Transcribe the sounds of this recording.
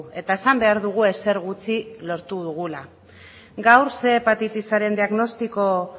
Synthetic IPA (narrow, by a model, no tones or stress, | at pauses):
e̞t̪ae̞sambe̞aɾðuɣ̞ue̞se̞ɾɣut͡silo̞ɾt̪uðuɣ̞ula | ɡawɾse̞ːpat̪it̪isaɾe̞nd̪iaɣno̞st̪iko̞